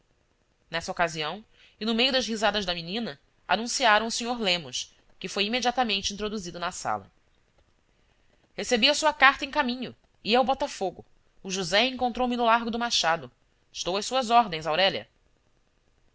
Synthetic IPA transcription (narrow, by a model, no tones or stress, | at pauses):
nɛsɐokaziɐ̃w̃ | ɪnʊmejʊd̪ɐzɦizad̪ɐʒd̪ɐminĩnɐ | a̰nũsiaɾɐ̃w̃ʊsẽɲoɾlẽmʊs | kɪfojimed͡ʒiat̪ɐmẽnt͡ʃɪĩnt̪ɾod̪uzid̪ʊnɐsa̰lɐ̰ | hesebiɐsuɐkaɾt̪ɐẽkamĩɲʊ | iɐwbɔt̪ɐfoɡʊː | ʒuzɛẽŋkõnt̪ɾowmɪnʊlaɾɡʊd̪ʊmaʃad̪ʊ | ɪʃt̪owɐʃsuɐzɔɾd̪ẽj̃zawɾɛʎɐ̰